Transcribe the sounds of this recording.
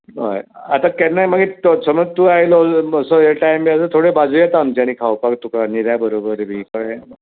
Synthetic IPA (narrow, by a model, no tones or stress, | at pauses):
ɦa̰jat̪akɛnːajməɡet̪səməɡ̚t̪uːaɦiloəsɔeʈajmiəsət̪ʰoɽebad͡zuːjɛt̪and͡ʑañiːkʰawpakt̪ukaniɾjabəɾobəɾbʱiːkəe